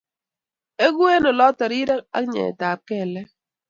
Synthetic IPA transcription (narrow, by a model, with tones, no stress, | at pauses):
e˦ɡu˦e˦nɔ˨lɔ˦tɔ˨ɾi˦ɾɛ˦k̚a̰˦ɲḛ˨taː˨p̚kɛ˦˨lɛ˦